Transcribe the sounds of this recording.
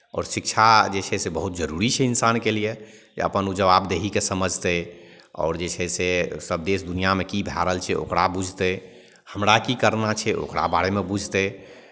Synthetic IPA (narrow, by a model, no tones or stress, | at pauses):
ɔ̰ːɾsik̚t͡ʃʰad͡ʒet͡ʃʰɛsebəɦut̪̚d͡ʒəɾuɾit͡ʃʰɛinsankelije | d͡ʒḛə̰pənud͡ʒəʋabd̪eɦikesəməd͡ʒʱt̪e | ɔ̰ːɾd͡ʒet͡ʃʰɛsesəbd̪esd̪unijamekibʱjaɾəlt͡ʃʰɛo̰kɾabud͡ʒʱt̪e | həmɾakikəɾnat͡ʃʰɛʔo̰kɾa̰baɾemebud͡ʒʱt̪e